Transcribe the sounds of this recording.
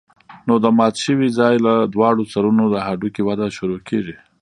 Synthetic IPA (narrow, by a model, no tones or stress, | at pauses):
nod̪əmɑt̪ʃəwizɑjlad̪wɑɽot͡saɾunod̪əɦaɖukiwad̪aʃuɾokʰeʒi